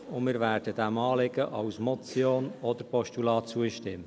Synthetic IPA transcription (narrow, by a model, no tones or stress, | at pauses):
ʊnmɪːɾvæːɾd̥əd̥æmɑːlɪɡəʔɑʊsmɔt͡sjoːnɔd̥̪əɾpɔʃtulɑːtt͡suəʃtɪmə